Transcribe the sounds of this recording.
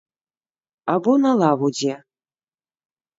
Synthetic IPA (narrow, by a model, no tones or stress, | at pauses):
abɔnalˠavud͡zʲɛ